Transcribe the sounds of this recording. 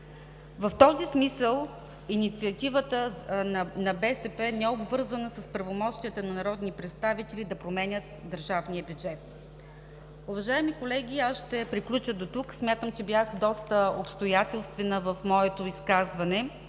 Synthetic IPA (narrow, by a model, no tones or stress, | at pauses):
vɐft̪ɔzismisəlˠ | init̪siɐt̪ivət̪ə | nɐbɛsɛpɛnɛobvɤɾzənəsəspɾɐvomɔʃt̪iət̪ənɐnɐɾɔd̪nipɾɛt̪st̪avit̪ɛlʲid̪ɐpɾomɛnʲət̪d̪əɾʒavnijəbjud͡ʒɛt̪̚ | ʊvɐʒaɛmikolɛɡ̟ʲiasʃt̪ɛpɾiklʲut͡ʃəd̪ot̪uksmʲjat̪əmt͡ʃɛbʲjaxd̪ɔst̪əopst̪ojat̪ɛlˠst̪vɛnəvɐfmɔɛt̪oiskazvɐnɛ